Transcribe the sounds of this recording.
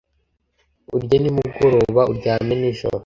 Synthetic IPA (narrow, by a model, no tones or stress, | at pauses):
uɾɟonimuɡoɾoːβauɾɟaːmeniʒo̰ɾo